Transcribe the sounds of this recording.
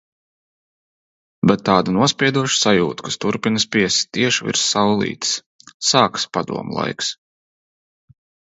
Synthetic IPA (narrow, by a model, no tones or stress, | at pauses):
bɛt̪ːaːd̪unuɔspʲiɛd̪uɔʃu̥sajṵːt̪u̥kast̪uɾpinɨspʲiɛst̪iɛʃvʲḭɾsːawlˠḭːt̪s | saːkspad̪ṵɔmṵlˠa̰jks